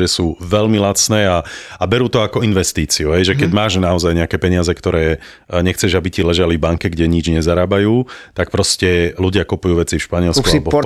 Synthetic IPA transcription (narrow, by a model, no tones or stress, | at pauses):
ɛsuːʋɛlmilat͡snɛːaabɛɾuːt̪ɔakɔinʋɛst̪iːt͡siuɦɛjʒɛkɛɟmaːʒnaɔzajɲɛakɛːpɛɲɪazɛkt̪ɔɾɛː | ɲɛxt͡sɛʒabicilɛʒalivbaŋkɛɡɟɛɲid͡ʒɲɛzaɾaːbajuːt̪ak̚pɾɔscɛluɟɪakupujuːʋɛt͡sifʃpaɲɪɛlskabɔ